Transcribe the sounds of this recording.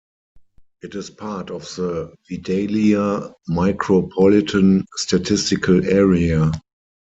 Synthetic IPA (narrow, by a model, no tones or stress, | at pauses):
ʔɪtɪspʰatɔfðəvideɪliamaɪkʰɹopʰɔlɪtʰə̃nstatʰɪstɪkʰəlɛɹia